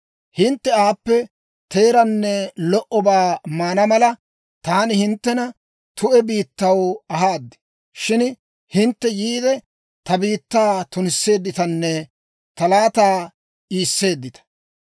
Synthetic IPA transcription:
hɪnt̪ːɛaːpːɛ | t̪e̞ːɾɐnːɛlɔʔɔbaːmaːnɐmɐlɐ | t̪aːnɪhɪnt̪ːɛnɐ | t̪ʊʔɛbiːt̪ːɐwɐɦaːd̪ːɪ̥ | ʃɪn | hɪnt̪ːɛjiːd̪ɛ | t̪ɐbiːt̪ːaːt̪ʊnɪsːe̞ːd̪ːɪt̪ɐnːɛ | t̪ɐlaːt̪aː | ʔiːsːe̞ːd̪ːɪt̪ɐ̥

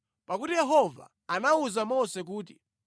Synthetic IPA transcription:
pakutijɛɦɔva̰ | anauzamɔsɛk̬uːt̬i̥

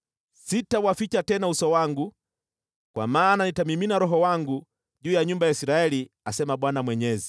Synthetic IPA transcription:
sitawafit͡ʃatɛnausɔwaŋɡu | kwa̰maːnanitamiminaɾɔɦɔwaŋɡu | ʄuːjaɲumbajaisiɾaɛli | asɛmaɓwanamwɛɲɛzi

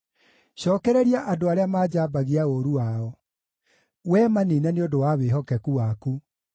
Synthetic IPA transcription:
ɕɔːkɛɾɛɾiaʔadoaɾeamaːd͡ʑaːbaɣiaoɾuwaɔ | wɛmaninɛneodowaweɦɔkɛkuwaku

